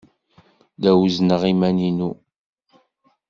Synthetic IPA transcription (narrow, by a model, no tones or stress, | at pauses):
ðæwznəʁimæninu